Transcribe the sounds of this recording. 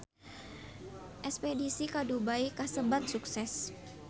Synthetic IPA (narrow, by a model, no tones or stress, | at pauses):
ʔɛspɛdisikadubaikasəbat̪̚suksɛs